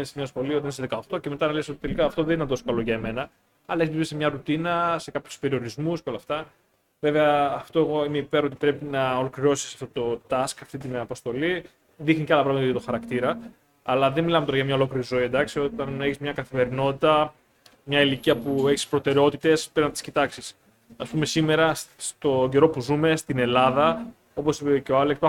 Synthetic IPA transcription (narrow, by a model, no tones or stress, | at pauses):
ensemɲɐsxo̞lioenes̬ðe̞kɐoxt̪oce̞me̞t̪ɐnɐleso̞t̪i̥t̪e̞likɐːft̪o̞ðeninet̪o̞sokɐlo̞ʝɐeme̞nɐ | ɐlɐeçzpipesmɲɐɾut̪inɐse̞kɐpçu̥spe̞ɾioɾizmusceo̞lɐft̪ɐ | ve̞veɐːft̪o̞e̞ɣo̞imeipe̞ɾo̞t̪ipɾe̞pinɐo̞lo̞kɾiɾo̞si̥sɐ̥ft̪ot̪o̞t̪ɐskɐft̪it̪inɐpost̪o̞li | ðixniceɐlɐpɾɐɣmɐt̪t̪oxɐɾɐkt̪iɾɐː | lɐðe̞nmilɐmet̪oɾɐʝɐmɲɐo̞lo̞kliɾizo̞ied̪ɐksio̞t̪ɐneçizmɲɐkɐθime̞ɾino̞t̪it̪ɐ | mɲɐiliciɐpue̞çi̥spɾo̞t̪e̞ɾeo̞t̪it̪e̞speznɐpot̪i̥scit̪ɐksis | ɐspume̞sime̞ɾɐst̪o̞ɟe̞ɾo̞puzume̞st̪ine̞lɐðɐ | o̞posipeceoɐlekspɐ